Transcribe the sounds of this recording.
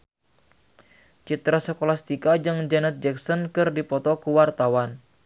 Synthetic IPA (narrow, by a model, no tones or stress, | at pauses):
t͡ʃit̪ɾasəkolast̪ikad͡ʒɨŋd͡ʒanət̪̚d͡ʒɛksɔnkɨrdipɔt̪ɔkuwart̪awan